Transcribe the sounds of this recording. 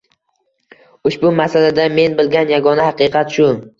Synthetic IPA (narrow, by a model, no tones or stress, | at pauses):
ʊʃbʊmasalad̪ame̞nbɪlɡʲanjaɡɒnahɑqɨqʰɑt̪ʃʊ